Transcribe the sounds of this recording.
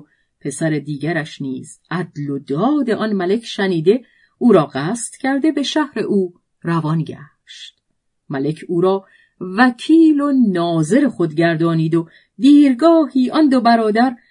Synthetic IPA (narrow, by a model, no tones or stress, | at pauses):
pʰe̞sæɾed̪iːɟæɾæʃnḭːz̥ʔæd̪lod̪ɒːd̪e̞ʔɒnmæle̞cʰʃæniːd̪e̞ | ʔuːɾɒːɢæːst̪cʰæɾd̪e̞be̞ʃæhɾe̞ʔuː | rævɒːnɟæ̰ | ʃt̪ | mæle̞cʰuːɾɒː | væcʰiːlo̞nɒːze̞ɾexo̞d̪ɟæɾd̪ɒːniːd̪o | d̪iːɾɡɒːhiːʔɒnd̪obæɾɒːd̪æɾ